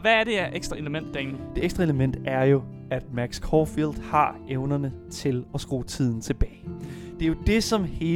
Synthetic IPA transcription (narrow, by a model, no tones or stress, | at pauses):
ʋææɐɾ̥e̝æɐʔeɡ̥sd̥ʁɑe̝ləmen̰d̥ːæn̩d̥e̝eɡ̥sd̥ʁɐe̝ləmen̰d̥æɐjo̝ | æd̥mæɡ̥skʰɒːfilˠd̥hɑ̈ʔeʊnɐnət͡sʰe̝lɒ̽sɡ̥ʁo̰ːt͡sʰið̞̰ˠn̩t͡sʰe̝b̥ɛːɪd̥e̝ɐjo̝d̥e̝sɒ̽mhe̝ː